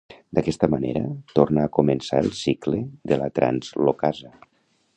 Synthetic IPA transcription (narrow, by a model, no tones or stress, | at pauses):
d̪akɛst̪əmanḛɾə̰t̪ornaːkumensaəlˠsikleðəla̰t̪ɾʔa̰nzlokazə